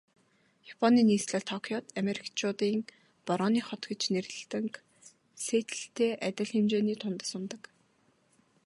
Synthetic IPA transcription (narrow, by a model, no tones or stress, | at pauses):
japʰɔniːniːsɮăt̪ʰɔkʰjɔt̪ameɾʲikt͡ɕʰʊːt̪iːŋ | pɔɾɔːniːχɔt̪ɡĕt͡ɕnerɮ̆ɬt̪ɘ̆ŋk | seːt̪ɘ̥̆ɬt̪eːʔæt̪ʲɪ̆ɮxemt͡ɕeːniːt̪ʰʊnt̪ə̆sʊnt̪ə̆k